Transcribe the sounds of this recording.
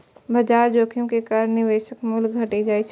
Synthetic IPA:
bɐd͡ʒaːɾd͡ʒoːkʰijõkekaːɾənnɪʋeːʃəkmʊlɡʱəʈid͡ʒaːit͡ʃʰ

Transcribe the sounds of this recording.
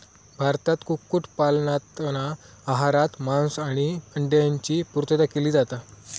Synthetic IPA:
bʱaɾt̪at̪kukːuʈpalɳat̪na | aɦaɾat̪mãnsaɽ̃iəɳɖjaɲt͡ɕiːpuɾt̪əd̪akʰiliːd͡zat̪a

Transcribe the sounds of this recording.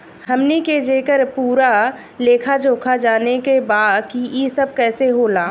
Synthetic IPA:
həmneked͡ʒeːkəɾpuːɾa | leːkʰad͡ʒoːkʰad͡ʒaːnekebaːd̪kijesəb̚kɛːseɦoːlaː

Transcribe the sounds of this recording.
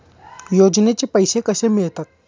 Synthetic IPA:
jod͡ʑnet͡ɕepəjsekəsemiɭt̪at̪̚

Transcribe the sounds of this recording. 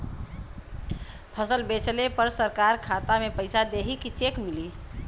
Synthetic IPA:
pʰəsəlbet͡ʃlepəɾsəɾkaɾkʰat̪amepəɪsad̪eɦikit͡ʃekmili

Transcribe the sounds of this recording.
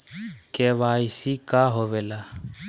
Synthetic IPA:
kʼɛβaisikʼaɦɔβɛla

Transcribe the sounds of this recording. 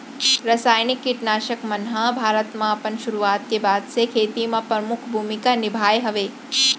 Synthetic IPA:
ɾɐsaːjnɪkːiʈnaːʃəkmɐnɦãbʱaːɾət̪mãɐpənʃʊɾuaːt̪kebaːd̪sekʰeːt̪imãpɾɐmʊkʰbʱuːmikanɪbʱaːjɦɐʋeː

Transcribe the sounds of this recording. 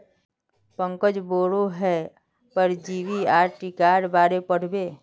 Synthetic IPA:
pə̃ŋkəd͡ʒboːɾoɦɛ | pəɾd͡ʒiːʋiaːɾʈikaːɾbaːɾepəɽ̤beː

